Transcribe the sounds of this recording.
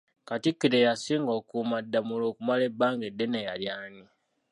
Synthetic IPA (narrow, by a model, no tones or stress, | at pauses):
katikːiɾejasiːŋɡo̞ːkumadːamuloːkumale̞bːaːŋɡe̞dːe̞neja̰ljaːni